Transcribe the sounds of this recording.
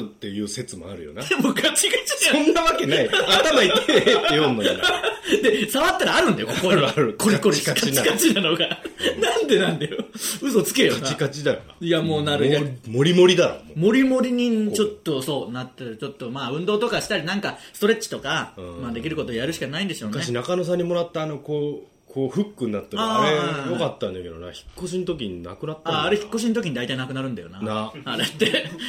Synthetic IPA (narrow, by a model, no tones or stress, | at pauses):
t̪ːe̞jɯ̟ːse̞t͡sɨmo̰a̰ɾɯ̟̰jo̰najamokʰat͡ɕiɡat͡ɕiõnːaβakeniat̪amait̪et̪ːejõnːo̰ | d̪e̞saβat̪ːaɾaːɾɯ̟̃nd̪ajokokoɾɯkoɾʲikoɾiakat͡ɕiat͡ɕinano̞ɡanãnd̪e̞nãnd̪ajoɯ̟so̞t͡sɨ̥kejoant͡ɕikat͡ɕid̪ajoajamo̞ːnaɾɯjamo̞ɾʲimo̞ɾʲid̪aɾo̰momo̞ɾʲimo̞ɾʲiɲ̟it͡ɕo̞t̪ːo̞so̞ːnat̪ːet͡ɕo̞t̪ːo̞maːɯ̟̃nd̪oːt̪o̞kaɕi̥t̪aɾʲinãŋkasɨ̥t̪o̞ɾe̞t͡ɕi̥t̪o̞kãmad̪e̞kʲiɾɯ̟ko̞t̪ojaɾɯ̟ɕi̥kanaĩnd̪e̞ɕo̞ːnkaeɕ̬inakanos̬ãɲ̟ːimo̞ɾat̪ːaːno̞koː | kʰoːɸɯ̟kːɯɲ̟ːat̪ːaaːɾejokat̪ːãnd̪ake̞d̪ona̰çi̥kːo̞ɕ̬inot̪o̞k̬ʲiɲina̰kɯ̟nat̪ːaːɾe̞çi̥kkːo̞ɕ̬ĩnt̪o̞kʲiɲ̟id̪ait̪ainakɯ̟naɾɯ̟nd̪ajonannaaɾe̞t̪ːe̞